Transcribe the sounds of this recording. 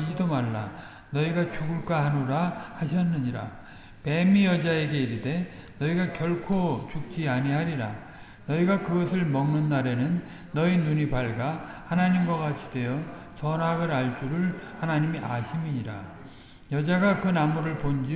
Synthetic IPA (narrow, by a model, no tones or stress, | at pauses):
idomaɭːa | nʌiɡat͡ɕuɡɯɭk͈ahanoɾahaɕ̬ʰʌnːɯɲiɾa̰ | pe̞mijʌd͡ʑae̞ɡe̞iɾide̞ | nʌiɡakjʌɭkʰot͡ɕuk̚t͡ɕ͈iaɲiɦaɾiɾa | nʌiɡakɯɡʌsʰɯɭmʌŋnɯnːaɾe̞nɯnː | ʌinuɲipaɭɡahanaɲimɡwakat͡ɕ͈ʰi̥de̞jʌ | sʌnɦaɡɯɾaɭt͡ɕ͈uɾɯɭhanaɲimiʔaɕʰimiɲiɾa̰ | jʌd͡ʑaɡakɯnamuɾɯɭpond͡ʑi